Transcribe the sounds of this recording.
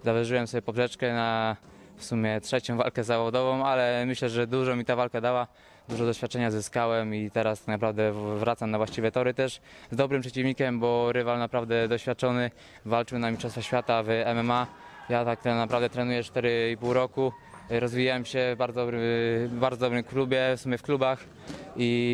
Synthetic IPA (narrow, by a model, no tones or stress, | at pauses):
zavɛʐɘwɛmsɔbʲjɛpɔbʐɛt͡ʂkɛnafsumʲjɛtʂɛt͡ɕɔ̃w̃va̰lkɛzːavɔd̪ɔvɔ̃w̃alɛmɘɕlɛʐɛd̪uʐɔmʲit̪avalkɛd̪awa | d̪uʐɔd̪ɔɕfʲjat̪̚t͡ʂɛɲazɘskawɛmit̪ɛɾast̪aknapɾavd̪ɛvɾat̪samnavwaɕt͡ɕivɛt̪ɔɾɘt̪ɛʂzd̪ɔbɾɨmpʂɛt͡ɕivɲikʲɛmbɔɾɘvalnapɾavd̪ɛd̪ɔɕfʲjat̪̚t͡ʂɔnɘ | valt͡ʂɨwnamʲit͡ʂɔsfaɕfʲat̪avɛmɛma | jat̪ak̚t̪napɾavd̪ɛt̪ɾɛnujɛt͡ʂt̪ɛɾɘipuwɾɔku | ɾɔzvʲijawɛmɕɛvbaɾd̪ɔd̪bɾɘmbaɾd̪ɔd̪ɔbɾɘmklubʲjɛfsumʲjɛfklubax | i